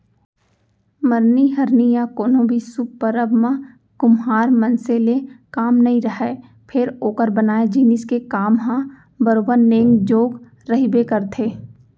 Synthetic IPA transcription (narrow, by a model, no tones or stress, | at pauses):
məɾniɦɐɾnijakoːnõbʱisʊkːəɾəbmã | kʊmɦaːɾmɐnselekaːmnɐɦĩɾəɦɛ | pʰɪɾoːkəɾbənaːed͡ʒiːnɪskekaːmɦã | bəɾoːbəɾnẽːŋɡd͡ʒoːɡ | ɾɐɦibekəɾt̪ʰeː